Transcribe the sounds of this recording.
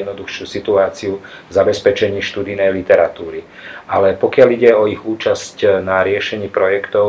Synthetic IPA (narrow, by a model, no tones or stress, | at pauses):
d̪nɔd̪uxʃuːsit̪uaːt͡siuvzabɛspɛt͡ʃɛɲiːʃt̪uːd̪inɛjlit̪ɛɾat̪uːɾi | ʔalɛpɔkɪaliɟɛɔiɣuːt͡ʃascnaɾɪɛʃɛɲiːpɾɔjɛkt̪ɔʊ